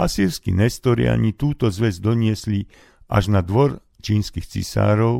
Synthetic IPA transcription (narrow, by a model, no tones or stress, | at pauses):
asiːɾskḭɲɛst̪ɔɾḭa̰ɲit̪uːt̪ɔzʋɛzd̪ɔɲɪɛsli | ʔa̰ʒnad̪ʋɔɾ | t͡ʃiːnskixt͡sḭsa̰ːɾɔʊ